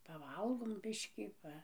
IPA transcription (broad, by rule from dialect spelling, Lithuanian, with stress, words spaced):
pɐˈʋɐlˠɡoːm ˈbʲɪʃʲkʲiː ˈpɐ